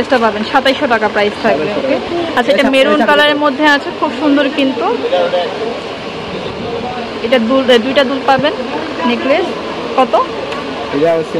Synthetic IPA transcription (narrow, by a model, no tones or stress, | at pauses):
esʈapabenʃat̪ajʃoʈakapɾajst̪ʰak̚bbeokeat͡ɕʰaeʈameɾunkalaɾeɾmod̪ʱːeat͡ɕʰekʰubʃund̪oɾkint̪u | eʈad̪uld̪ujʈad̪ulpabenː | ekles | kɔt̪o